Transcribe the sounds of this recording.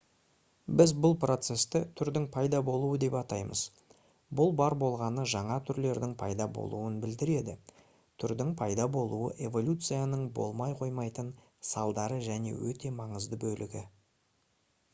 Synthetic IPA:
bɪzbʊlˠpro̞t̪se̞st̪ɪt̪ʰʏɾd̪ɪŋpʰɑjd̪ɑbo̞lˠuəd̪e̞pɑt̪ɑjmə̰z̥ | bʊlˠbɑɾbo̞lˠʁɑnəʒɑɴɑt̪ʰʏɾle̞ɾd̪ɪŋpʰɑjd̪ɑbo̞̰lˠuənbɪld̪ɪɾe̞d̪ɪ | t̪ʰʏɾd̪ɪŋpʰɑjd̪ɑbo̞lˠuə̰ʔe̞vo̞lʲut̪sɨjanəɴbo̞̰lˠmɑjqʰo̞jmɑjt̪ən | sɑlˠd̪ɑɾəʒæne̞̰wɵt̪e̞mɑɴəzd̪əbɵlʔɪɡʲɪ

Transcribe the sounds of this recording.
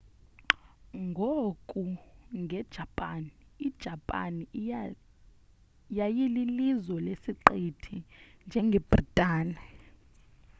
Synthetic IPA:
ŋɡʱokʼuŋɡʱɛd̥ʒ̥ʱapʼaniːd̥ʒ̥ʱapʼa̰ni | jajililizwɔlesiǃetʰind͡ʒʱɛŋɡʱɛb̥ritʼaːni

